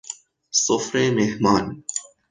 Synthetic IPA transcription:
sofɾemehmaːn

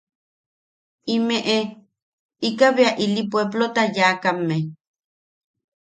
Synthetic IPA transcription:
imeʔe | ikaβeaʔilipweblot̪ajaːkame

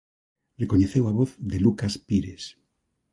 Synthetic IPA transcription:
leko̞ɲeθewaβoθðe̞lukaspiɾes

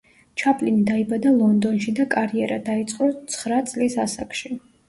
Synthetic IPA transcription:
t͡ʃʰapʼlinid̪aibad̪alˠɔnd̪ɔnʃid̪akʼaɾiɛɾad̪ait̪sʼqʼɔt̪sʰχɾat̪sʼlisasakʰʼʃi

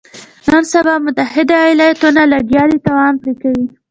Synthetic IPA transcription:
nənsabɑmʊt̪ahɪd̪ajlɑjat̪unalaɡjɑlit̪ɑwɑnpɾikawi

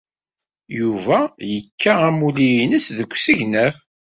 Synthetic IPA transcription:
juvæjəkʰːaæmulijinəsðəkʷːsiʝnəθ

